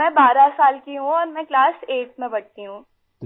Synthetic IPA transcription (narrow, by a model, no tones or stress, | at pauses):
ɛ̃baːɾasaːlkiɦũɔːɾmɛ̃klaːseːʈ̚mẽbɐɽt̪iɦũː